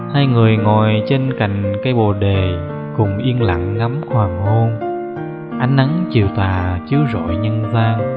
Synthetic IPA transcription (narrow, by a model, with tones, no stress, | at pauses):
haː˧jŋɨ˨˩əjŋɔ˨˩jt͡ɕe˧nka̰˧˨jŋ̟ka˨˧˦jɓo˨˩ɗe˨˩ | kʊ˨˩ŋ͡mʔi˧ənla̰˧˨ŋːa˨˦mhwaː˨˩ŋho˧n | ʔa˧˩jŋ̟ʔa˨˦ŋt͡ɕi˨˩əwt̪aː˨˩t͡ɕi˨˦əwzo̰˧˨jɲə˧nzaː˧ŋ